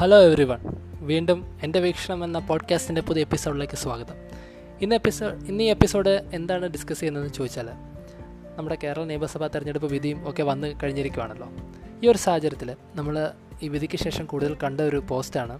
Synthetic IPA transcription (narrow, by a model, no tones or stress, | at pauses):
hɐloːeʋriʋɐɳʋiːɳɖume̞nde̞ʋiːkʂɐɳɐmenːɐpoːɖkʲaːstinde̞puðie̞pːisoːɽileːkːɨsʋaːɡɐðɐm | inːpːioinːiːepːiso̞ːɽɨe̞nd̪aːɳɨɖiskɐsijenːenːumt͡ɕo̞ːd̪it͡ɕːaːle | nɐmːuɽeke̞ːɾɐɭɐneːbɐsɐbʱaːt̪irɐɲːeɽupːoʋid̪ʱijumo̞ːkːe̞ʋɐnːɨkɐɻiɲːɐɾikʲːumaːɳɐlːo̞̰ː | iːo̞ɾusɐhɐt͡ɕɐɾɐt̪ːil | nɐmːɐɭ | iːʋid̪ʱikʲːɨɕe̞ːʂɐmkuːɽuðɐlkɐɳɖɨo̞ɾupo̞ːstaːɳɨ